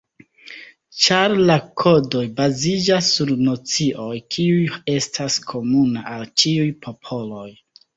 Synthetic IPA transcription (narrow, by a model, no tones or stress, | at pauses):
t͡ʃaɾlakʰo̞do̞jbazid͡ʒasːuɾno̞t͡siʔo̞jkʰiuje̞stʰaskʰo̞munaʔalt͡ʃiujpʰo̞pʰo̞lo̞j